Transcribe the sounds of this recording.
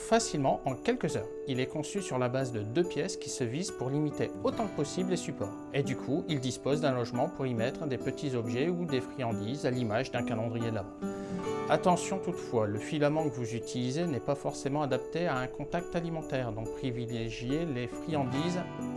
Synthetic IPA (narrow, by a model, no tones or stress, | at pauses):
fasilmɑ̃ʔɑ̃kʲɛlkəzœːʁ | ilɛkɔ̃sysyʁlabazd̪əd̪øpjɛskʲi̥səvizpuʁlimit̪eot̪ɑ̃kəpɔsiblesypɔːʁ | ed̪ykʰuild̪ispozd̪ɛ̃lɔʒmɑ̃puʁimɛt̪χd̪epət̪ʰizɔbʒɛud̪efχiɑ̃d̪izalimaʒd̪ɛ̃kalɑ̃d̪ʁijed̪lam | at̪ɑ̃sjɔ̃t̪ut̪fwaləfilamɑ̃kəvuzyt̪ʰilizenɛpafɔʁsemɑ̃ad̪ap̚t̪eaɛ̃kɔ̃t̪ak̚t̪alimɑ̃t̪ɛʁd̪ɔ̃pχivileʒjelefχiɑ̃d̪iz